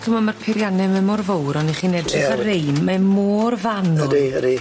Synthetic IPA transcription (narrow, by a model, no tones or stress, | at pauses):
kʰəmɔnmarpʰɪɾjanɛmɛmɔrvowɾɔniχiːnɛdrɪχarejnmamoːrvanɔɾi